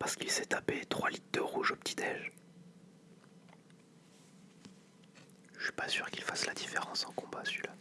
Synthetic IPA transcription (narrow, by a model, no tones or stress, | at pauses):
paʁsə̥kilsɛt̪apet̪χwalit̪̚d̪əʁuʒopt̪ʰid̪ɛʒ | əʃɥi̥pasyʁkilfaslad̪ifeʁɑ̃sɑ̃kɔ̃basɥila